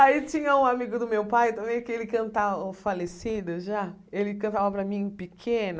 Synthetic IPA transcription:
ait͡ʃĩɲɐũamiɡʊd̪ʊmewpajt̪ɐ̃mẽj̃kɪelɪkɐ̃nt̪avɐfalesid̪ɐʒa | elɪkɐ̃nt̪avɐpɾɐmĩpɪkʰẽnɐ

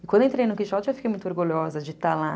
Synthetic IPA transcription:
ɪkɐ̃d̪wẽt̪ɾej̃nʊkiʃɔt͡ʃɪewfi̥kejmũt̪oɾɡuʎɔzɐd͡ʒɪt̪ala

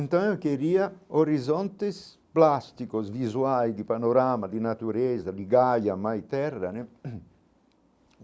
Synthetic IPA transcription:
nt̪anokeɾiːaoɾizɔnt̪es | plast̪ikosvizuajd̪ipanoɾamad̪inat̪uɾɛzad̪iɡajamajt̪ɛrːane

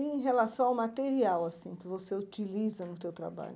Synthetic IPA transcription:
iẽj̃ɦelasɐ̃w̃awmat̪eɾiawasĩkɪvoseut͡ʃilizɐnʊt̪ewt̪ɾa̰ba̰ʎʊ

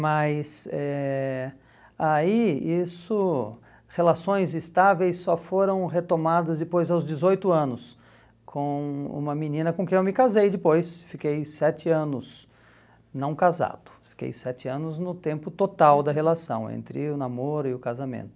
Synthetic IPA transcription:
mɐjsɛ | aiisʊ | helasõj̃zɪst̪avejsːɔfoɾɐ̃w̃ɦet̪omad̪ɐzd̪ɪpojzawzd͡ʒɪzojt̪ʊɐ̃nʊs | kʰõṵ̃mɐminĩnɐkõkẽewmɪkazejd̪ɪpojsfikejsɛt͡ʃɪɐ̃nʊs | nɐ̃w̃kaza̰d̪̥ʊ̥fi̥kḛjsɛt͡ʃɪɐ̃nʊznʊt̪ẽmpʊt̪ot̪awd̪ɐɦelasɐ̰̃w̃ḛ̃nt̪ɾɪʊnamoɾʊɪʊkazamḛ̃nt̪ʊ̥

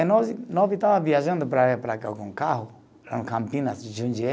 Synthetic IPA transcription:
nɔzinɔvit̪avɐviaʒɐ̃nd̪ʊpɾapɾakakõŋkaɦʊ | ɾãnkãmpĩnɐsʒũɲd͡ʒiɛ

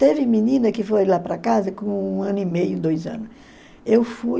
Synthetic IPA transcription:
t̪evɪmĩnĩnɐkɪfojlapɾɐkazɐkõũɐ̃nʊimejʊd̪ojzɐ̰̃nʊs | ewfu

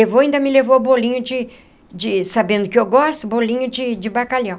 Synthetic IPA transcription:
evoaĩnd̪ɐmɪlevobolĩɲʊd͡ʒɪ | d͡ʒɪsabẽnd̪ʊkɪewɡɔst̪ʊbolĩɲʊd͡ʒɪd͡ʒɪbakaʎɐ̃w̃

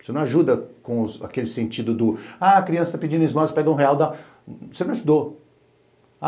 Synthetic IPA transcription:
senɐ̃w̃aʒud̪ɐkõʊza̰kelɪsẽnt͡ʃid̪ʊd̪ʊaɐkɾiɐ̃sɐt̪apid͡ʒĩnẽzmãɾɐspɛɡɐũɦeawd̪a | senɐ̃w̃aʒud̪o | a

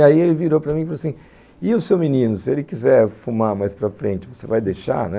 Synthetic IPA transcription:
aielɪviɾowpɾɐmĩfaloasĩ | ɪʊsewminĩnʊsielɪkizɛɾfumaɾmajspɾɐfɾẽnt͡ʃɪvosevajd̪ejʃa̰nɛ

